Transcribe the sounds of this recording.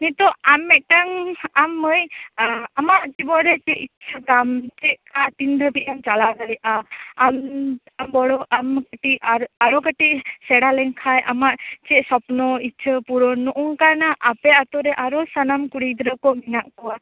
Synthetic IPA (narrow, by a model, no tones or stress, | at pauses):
nit̪ɔamːɛʔ̚ʈaŋamːəj | amaʔd͡ʒibɔʔɾɛt͡ʃɛʔit͡ʃʰət̪amt͡ʃɛʔkat̪ind̪ʱəbiʔamt͡ʃalaɡaɾɛʔaam | ambɔɽɔʔamkəʈiʔaaɾɔkəʈiʔsɛɽalɛŋkʰajʔamaʔt͡ʃɛʔsɔpnɔit͡ʃʰəpuɾɔnɔʔuŋkaɾnaʔapɛat̪ɔɾɛʔaɾɔsanamkuɽid̪ɾəkɔminaʔkɔwa